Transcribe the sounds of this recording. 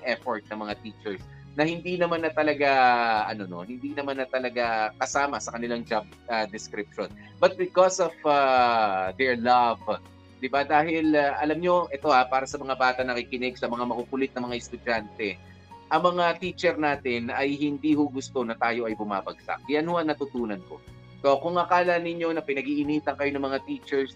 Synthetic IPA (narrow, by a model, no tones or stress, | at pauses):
ʊŋʔɛfoɹt̪̚nɐŋmɐŋat̪it͡ʃɛɹs | nɐhɪnd̪inɐmanːɐt̪ɐlɐɡaʔɐno̞no̞̰hɪnd̪iːnɐmanːɐt̪ɐlɐɡakɐsaːmɐsɐkɐnɪlaŋd͡ʒab̚ɐd̪ɛskɾɪp̚ʃonbɐt̪̚bɪkosova | d̪ɛɹlɐv | d̪ɪbad̪aːhɪlɐʔɐlamɲo̞ʔɛt̪o̞hapaːɾɐsɐmɐŋabaːt̪ɐnɐkikɪnɪɡsɐmɐŋamɐkukʊlɪt̪̚nɐmɐŋaʔɪst̪ʊd͡ʒant̪ɛ | ʔɐŋmɐŋat̪iːt͡ʃɛɾnaːt̪ɪnʔɐjhɪnd̪iːhʊɡʊst̪o̞nɐt̪aːjo̞ʔɐjbʊma̰ːbɐɡ̚sa̰ʔjɐnhʊʔɐŋnɐt̪ʊt̪uːnɐnko̞ | so̞kʊŋɐkaːlɐnɪɲːo̞nɐpɪnɐɡiʔɪniːt̪ɐŋkɐjo̞nɐŋmɐŋat̪iːt͡ʃɛɹs